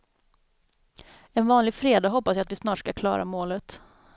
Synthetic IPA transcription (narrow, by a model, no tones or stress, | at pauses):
ɛnvɑːnlɪɡfɾeːd̪aɦɔpːasjaat̪vɪsnɑːʈʂkakʰlɑ̰ːɾa̰moːlət̪